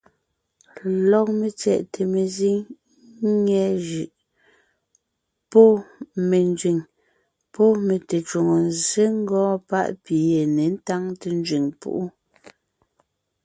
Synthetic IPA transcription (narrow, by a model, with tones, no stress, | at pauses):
lɔ˨k̚me˨t͡sjɛ̰˨ʔtʰe˨me˨zi˦ŋ˦ | ŋɛ˦ʒʉ˨ʔ | pɔ˦me˨n˦d͡ʒɥi˨ŋ | pɔ˦me˨te˨t͡ʃwu˨ŋo˨n˨ze˦ŋ̩˦ɡɔ̃ː˦pa̰˦ʔpi˨je˨ne˨n̩˦ta˦ŋte˨n˦d͡ʒɥi˨ŋpṵ˦ʔu˦